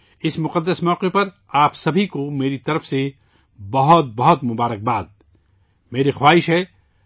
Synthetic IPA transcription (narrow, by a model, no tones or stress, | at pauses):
ɪsmʊqəd̪ːəsmɔːqepɐɾ | aːpsɐbʱikomeːɾit̪ɐɾəfse | bɐɦʊt̪̚bɐɦɔt̪mʊbaːɾək̚baːd̪̚ | meːɾexwaːɦɪʃɦɛ